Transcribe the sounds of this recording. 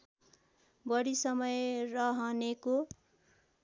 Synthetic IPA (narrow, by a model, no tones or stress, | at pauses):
bʌɽisʌmʌjrʌɦʌneko